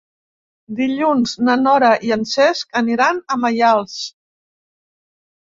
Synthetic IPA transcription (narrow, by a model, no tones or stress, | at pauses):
d̪iʎunznənɔɾəʔiənsɛskəniɾanəməjalˠs